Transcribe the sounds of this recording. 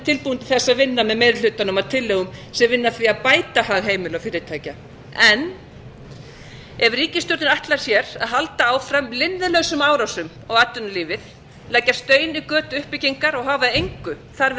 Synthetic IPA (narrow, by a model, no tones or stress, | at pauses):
t̪ʰɪlpuːɪnt̪ɪθɛsːaðvɪnːamɛðmejɾɪlʏːt̪anʏmaðt̪ʰɪlːeɣʏmsɛmvɪnːaθɾiaðpaːjt̪ahaːɣɦeːjmɪlawfɪːɾɪt̪ʰaːjca | ɛnː | ɛvriːcɪst̪jɔɾt̪nɪɾaht̪laɾ̥sjɛɾaðɦalt̪aaːwfɾamlɪnðɪlœɣsʏmaːwɾawsʏm | ɔɣat̪ːʏnʏliːvɪð | laːjcːḁst̪œːɥnikœːt̪ʏʏhpɪciŋkaɾɔɣɦaːvaejŋkʏ | θaɾ